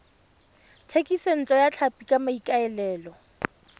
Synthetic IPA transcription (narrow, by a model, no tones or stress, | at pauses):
tʰekʼisen̩t͡ɬʼɔjat͡ɬʰapʼikʼamaikʼaɛlɛːlɔ